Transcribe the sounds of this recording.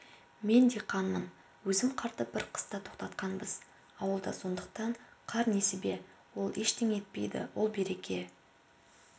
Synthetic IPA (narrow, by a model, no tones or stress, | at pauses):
me̞nd̪e̞qʰɑnːəm | wɵzɪmqʰɑɾt̪əp̚bɪɾqʰə̥st̪ɑt̪ʰo̞qt̪ɑt̪qɑnbəz̥ | ɑwəlˠd̪ɑso̞nd̪əq̚t̪ɑɴqʰɑɾne̞sɪbe̞ | wo̞lˠe̞ʃt̪ʰeŋe̞t̪̚pe̞jd̪ɪ̰wʔo̞lˠbe̞ɾe̞kʲe̞